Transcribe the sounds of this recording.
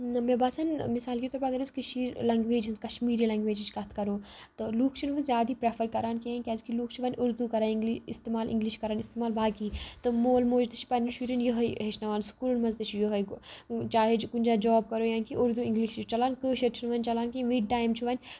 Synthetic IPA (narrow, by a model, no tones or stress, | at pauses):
meːbaːsɐːnmisaːlkit̪ɔɾpaɐɡɐɾiskɨʃiːɾlɐŋɡʋeːd͡ʒɐnzkɐʃmiːɾiːlɐŋɡʋeːd͡ʒit͡ʃkɐt̪ʰkɐɾoːt̪ɨluːkʰt͡ʃʰinʋɐzʲjaːd̪iːpɾeːfʰɐɾkɐɾaːnkẽkʲɛːzkiluːkʰt͡ʃʰuʋɐnʲʔʊɾd̪ukɐɾaːniŋɡliḭst̪eːmaːlʔḭŋɡliʃkɐɾaːnist̪eːmaːlbaːkiːt̪ɨmoːlmoːd͡ʒt̪ɐt͡ʃʰi̥pɐnʃʰuːɾinjəɦɐjɦeʃnɐʋaːnskuːlmɐzt̪ɐt͡ʃʰijəɦɐjt͡ʃaːɦed͡ʒkund͡ʒaːd͡ʒɔːb̚kɐɾoːjaːnkiʊɾd̪uĩŋɡliʃt͡ʃit͡ʃɐlaːnkəːʃɐɾt͡ʃʰinʋɐnʲt͡ʃɐlaːnkeʋiːɖ̚ʈaːjmt͡ʃʰuʋɐnʲ